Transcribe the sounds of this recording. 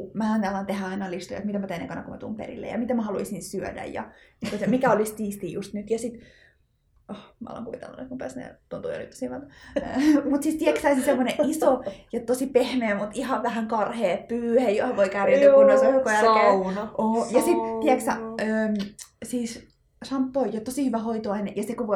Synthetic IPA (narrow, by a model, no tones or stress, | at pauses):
mæhænt̪ælːɑint̪ehæɑinɑlist̪ojɑ̰t̪mit̪æmæt̪einḛkɑnɑkumæ̰t̪ṵːmpḛrḭlːḛjɑ̰mit̪æmæhɑluisĩnsyø̰dæ̰jjɑ̰mik̪osɑmikæolist̪iːst̪iːjust̪nyt̪jɑsit̪ | ʔohmæ̰o̰lɑ̰ŋkuʋit̪ḛlːɑ̰nḛt̪kumpæ̰ːsnḛt̪ont̪ṵjo̰lḭt̪ːo̥siʋɑt̪ɑ | mut̪sist̪iɛksæisinsemːoneʔʔisojɑt̪osipehmeːmut̪ihɑʋʋæhæŋkɑrheːppyːhejjohɑʋʋoikæːrinoseukːojælkeːʔoːjɑsit̪t̪iɛksæ̰øːsiːs | sɑmpːoijɑt̪osihyʋæɦoit̪oɑineʔjɑsekuʋo